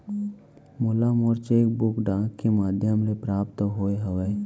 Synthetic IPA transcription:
molamɔɾt͡ʃeːk̚bʊkɖãːkkːemaːd̪ʱjəmlepɾaːpt̪ɦoeɦəʋeː

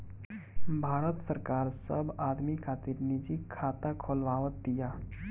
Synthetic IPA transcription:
bʱaːɾət̪səɾkaːɾsɐbaːd̪mikʰaːt̪iːɾnid͡ʒikʰːaːt̪akʰoːlʋaːʋət̪̚d̪ɪjaː

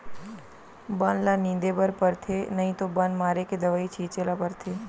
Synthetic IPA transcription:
baːnlanĩːnd̪ebəɾpəɾt̪ʰenɐɦĩt̪obaːnmaːɾeked̪ɐʋaːit͡ʃʰiːt͡ʃelapəɾt̪ʰeː

